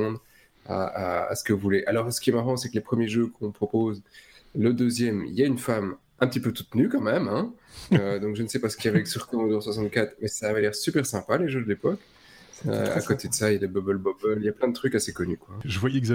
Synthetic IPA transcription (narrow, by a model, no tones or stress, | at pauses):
ɔ̃d̪ʁ | a̰a̰ːsə̥kəvuvuleʔalɔʁsə̥kʲiɛmaʁɑ̃sɛklepχəmjeʒøkɔ̃pχɔpoːzləd̪øzjɛmḭljaynfam | ʔɛ̃pət̪ipøt̪ut̪nykɑ̃mɛmɛ̃ød̪ɔ̃kʒənəsɛpasə̥kilavɛksyʁt̪ɔ̃ɔ̃d̪ɔʁswasɑ̃t̪̚kat̪χmɛsaːvalɛʁsypɛʁsɛ̃paleʒød̪əlepɔk | ø̰a̰kot̪ed̪əsailjad̪ebɔbœlbɔbœlijaplɛ̃d̪ət̪χykasekɔnykwaʒəvwajɛz